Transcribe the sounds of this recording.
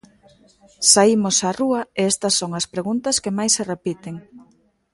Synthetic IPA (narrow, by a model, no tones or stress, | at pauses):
saimʊsaruɐeɛst̪ɐsːoŋɐspɾeɣunt̪ɐskemajsːerepit̪eŋ